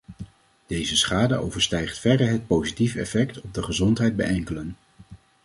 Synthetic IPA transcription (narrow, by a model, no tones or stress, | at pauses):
d̥ejzəsχaːdə̰ʔo̰wvəɹstɛjχtfɛdəɦət̚powzitifɛ̰fɛktɔb̚dəχəzɔntɦɛjd̚bɛ̰ʔɛŋkələn